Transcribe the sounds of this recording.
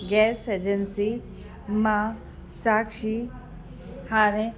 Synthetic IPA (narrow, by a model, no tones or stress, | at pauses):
ɡɛːsed͡ʒənsi | ma | saːkʃi | haːɾe